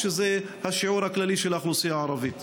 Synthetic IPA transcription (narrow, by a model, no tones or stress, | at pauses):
ʃeze | haʃiʕuɾhaklaliʃelaχlusijaʕaɾˤɑvit̪